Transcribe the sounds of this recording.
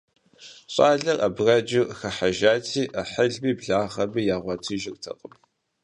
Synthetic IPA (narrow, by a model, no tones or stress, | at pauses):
ɕʼaːɮɐrʔɐbrɐd͡ʒɪrxɐħaʒaːtʰiːʔɐħəɮmiːbɮaːʁɐbɨjaːʁʷɐtʰɨʒɪrtʰɐ̰qʼəm